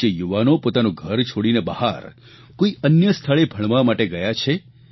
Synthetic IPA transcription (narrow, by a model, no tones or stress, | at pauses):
ejuʋanopot̪anũɡʱəɾt͡ʃʰoɽinebəha̰ɾ | koiənjəst̪ʰaɭebʱəɳ̃ʋamaʈeɡəjat͡ʃʰe